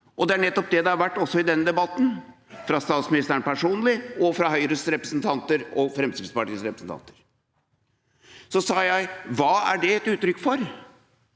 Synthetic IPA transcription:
ʔɔd̪ɛæɳɛt̪ːɔp̚d̪ɛd̪ɛhɑɾʋæʈːɔsːɔɪd̪ɛnːəd̪ɛbɑt̪ːn | fɾɑst̪ɑːt̪smɪnɪst̪əɾəɳpʰæʂuːnlɪɔfɾɑɦœʏɾəsɾɛpɾəsnt̪ʰɑnt̪əɾɔfɾɛmst̪id̪spɑʈiːsɾɛpɾə̥sn̩t̪ʰɑ̰nt̪əɾ | sɔsɑːjæɪʋɑːæ̰ɖɛɛt̪ʉːt̪ːɾʏkːfɔɾ

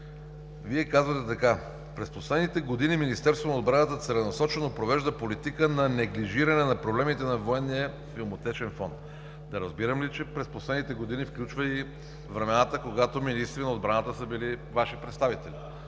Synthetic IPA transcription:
viɛkazvət̪ɛt̪ɐka | pɾɛsposlɛd̪nit̪ɛɡod̪iniminist̪ɛɾst̪vonɐod̪bɾanət̪ət̪sɛlɛnɐsɔt͡ʃɛnopɾovɛʒd̪əpolit̪ikənɐnɛɡliʒiɾɐnɛnɐpɾoblɛmit̪ɛnɐvoɛnːijə | filˠmot̪ɛt͡ʃɛnfɔnt̪ | d̪ɐɾɐzbiɾəmlit͡ʃɛpɾɛsposlɛd̪nit̪ɛɡod̪inifklʲut͡ʃvəi | vɾɛmɛnat̪əkoɡat̪ominist̪ɾinɐod̪bɾanat̪əsəbilivaʃipɾɛt̪st̪avit̪ɛli

